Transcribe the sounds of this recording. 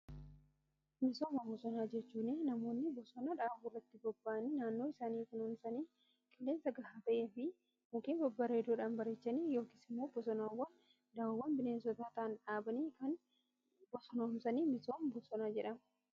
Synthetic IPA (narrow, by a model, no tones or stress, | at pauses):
mɪsoːmɐhʊsɔnaːd͡ʒɛt͡ʃːuːneːnɐmo̞ːnːɪbɔsɔnaᶑaːbuːrːɐt̪ːɪbɔbːaːniːnaːnːoːɪsaːniːfɪnʊnsɐniː | kʼɪlːeːnsɐɡɐhaːt̪ɐʔeːfɪ | mʊkiːnbɔbːaːɾeːd̪oːᶑaːnbɐɾet͡ʃːɐniːjo̞ːkiːsɪmːo̞ːbɔsɔnawːɐn | d̪ɐwɐwːɐnbɪneːnsɔt̪aːt̪ɐʔɐnᶑaːbɐniːkɐn | bɔsɔnɐnsɐniːmɪso̞ːmbɔsɔnaːd͡ʒɛᶑɐm